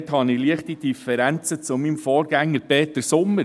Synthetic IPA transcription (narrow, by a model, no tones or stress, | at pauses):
thɑnɪliəχtid̥ifɛɾænt͡sət͡sʊmimfɔːɾɡ̥æŋːəɾpeːt̪əɾsʊmːə